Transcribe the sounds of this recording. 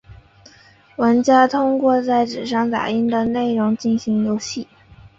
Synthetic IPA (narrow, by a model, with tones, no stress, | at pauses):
wə˧˥nt͡ɕja˥t̪ʰʊ˥ŋkwɔ˥˧t͡sa˥˩ɪʈ͡ʂɻ̩˨˩ʂɑ˥˩ŋt̪a̰˨˩i˥nd̪ə˨ne˥˩ɪɻʊ˧˥ŋt͡ɕi˥˩nɕi˧˥ŋjo˧˥ʊɕi˥˩